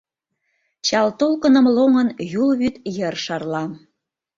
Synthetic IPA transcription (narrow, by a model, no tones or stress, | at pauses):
t͡ɕɑlt̪olkə̆nə̆mloŋənjulβyt̪jə̆rʃɑrlɑm